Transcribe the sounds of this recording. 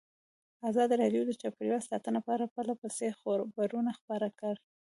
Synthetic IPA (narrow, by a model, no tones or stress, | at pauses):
azɑd̪iɾɑɖijod̪ət͡ʃapkɾiwasɑ̰t̪ənopaaɾapəlapəsexoɾbaɾunaxpɑɾakəɽ